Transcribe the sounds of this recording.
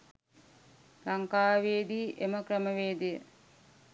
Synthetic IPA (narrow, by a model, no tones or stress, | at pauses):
laŋkaːʋeːd̪iːʔeməkrəməʋeːd̪ijə̰